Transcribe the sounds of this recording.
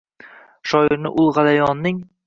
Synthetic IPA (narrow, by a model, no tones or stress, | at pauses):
ʃɒjɪɾnɪ̰ʔʊlˠʁɑlajɒnːɪŋ